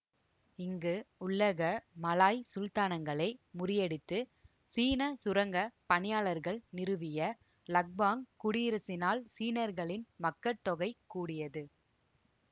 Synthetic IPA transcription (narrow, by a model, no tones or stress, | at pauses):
ɪŋɡɯʊɭːɐɣɐmɐlaːjsʊlt̪aːnɐŋɡɐɭɐɪmʊɾɪjɛɽɪt̪ːɯ | siːnɐsʊɾɐŋɡɐpɐɳɪjaːɭɐɾɣɐɭnɪɾɯʋɪjɐ | lɐk̚baːŋkʊɽɪjɪɾɐsɪnaːlsiːnɐɾɣɐɭɪnmɐkːɐt̪ːɔɣɐɪkːuːɽɪjɐðɯ